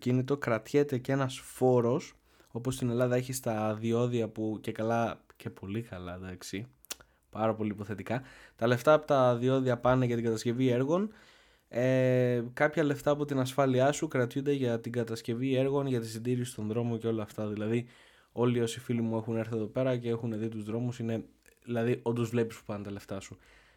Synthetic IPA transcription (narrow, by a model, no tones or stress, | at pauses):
ocinit̪o̞kɾɐt̪çe̞t̪e̞cee̞nɐsfo̞ɾo̞s | o̞po̞st̪ine̞lɐðɐeçist̪ɐðio̞ðiɐpuce̞kɐlɐce̞pʰo̞likɐlɐd̪ɐksi | pɐɾɐpo̞liːpo̞θe̞t̪ikɐt̪ɐle̞ft̪ɐːpot̪ɐðio̞ðiɐpɐneʝɐt̪iŋɡɐt̪ɐsce̞vie̞ɾɣo̞n | ekɐpçɐle̞ft̪ɐːpo̞t̪inɐsfɐliɐsukɾɐt̪çund̪e̞ʝɐt̪iɡɐt̪ɐsce̞vie̞ɾɣo̞nʝɐt̪isind̪iɾisi̥st̪o̞nðɾo̞moce̞o̞lɐːft̪ɐðilɐði | o̞lio̞sifilimue̞xune̞ɾθie̞ðo̞pe̞ɾɐce̞e̞xuneðit̪uzðɾo̞musine̞ | ðilɐðiʔo̞nd̪ozvle̞pispu̥pɐnt̪ɐle̞ft̪ɐsu